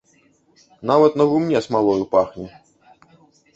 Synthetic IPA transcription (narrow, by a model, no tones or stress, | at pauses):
navɐt̪nɐɣumnʲɛsmalˠɔjupaxnʲɛ